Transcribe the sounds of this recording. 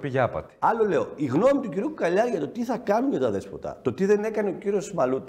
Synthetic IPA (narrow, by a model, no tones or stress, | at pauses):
piʝɐpɐ̰t̪i̥ɐlo̞le̞o̞iɣno̞mit̪uciɾiuukɐʎɐɾʝɐt̪o̞t̪iθɐkɐnuɲʝɐt̪ɐðe̞spot̪ɐ̰t̪o̞t̪iðe̞ne̞kɐne̞ociɾio̞smɐlut̪i̥